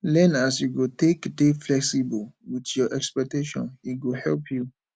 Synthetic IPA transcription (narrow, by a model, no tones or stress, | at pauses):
lɛ̃nasjuɡotekdeflɛksibəlwitjɔʔɛkspɛk̚teʃɔ̰̃nitɡohɛlpʰju